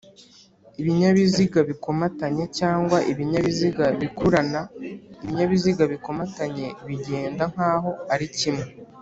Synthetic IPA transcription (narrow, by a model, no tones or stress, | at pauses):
iβiɲaβiziɡaβiko̞mataɲe̞caːŋɡwaʔiβiɲaβiziɡaβikuɾanaiβiɲaβiziɡaβiko̞mataɲe̞βiɟe̞ːndaŋ̥haːɦo̞aɾicimŋe